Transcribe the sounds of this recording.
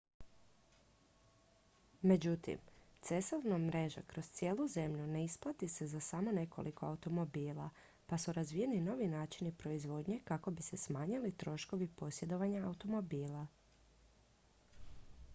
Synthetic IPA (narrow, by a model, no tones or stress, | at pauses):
me̞d͡ʑut̪ḭmt̪se̞sovnamɾe̞ʒa̰kɾo̞st̪sjeːlˠuze̞mʎune̞isplˠat̪ise̞zasamo̞ne̞ko̞̰lʔiko̞aut̪o̞mo̞biːlˠa̰ | pasuɾazʋije̞nino̞ʋinaːt͡ʃinipɾo̞izʋo̞ːd̪ɲe̞kako̞bise̞smaːɲilit̪ɾo̞ʃko̞ʋipo̞sje̞d̪o̞ʋaɲaːut̪o̞mo̞biːlˠa